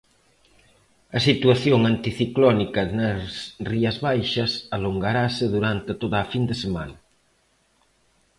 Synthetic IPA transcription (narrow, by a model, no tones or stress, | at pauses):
ɐsit̪uaθjoŋant̪iθiklɔnikɐnɐsriɐzβajʃɐsaloŋɡaɾaseðuɾant̪et̪oðɐːfind̪esema̰nɐ